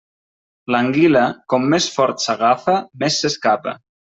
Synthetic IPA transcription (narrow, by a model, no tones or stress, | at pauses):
laŋɡiləkɔmːesfɔɾt̪saɣafəmesːeskapə̰